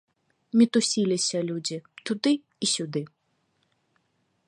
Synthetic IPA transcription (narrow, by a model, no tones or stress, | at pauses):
mʲit̪usʲilʲisʲɐlʲud͡zʲit̪ud̪ɨ | isʲud̪ɨ